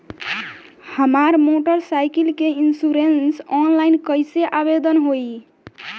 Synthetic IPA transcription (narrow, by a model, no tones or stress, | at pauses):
həmaɾmoʈəɾsajkilkeinsuɾensɔnlainkəjseʔabed̪ənɦoi